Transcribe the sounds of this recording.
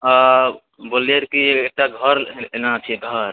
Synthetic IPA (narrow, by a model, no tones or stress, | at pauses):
a | boleɾkiek̚ʈaɡʱəɾenat͡ʃʰɛɡʱəɾ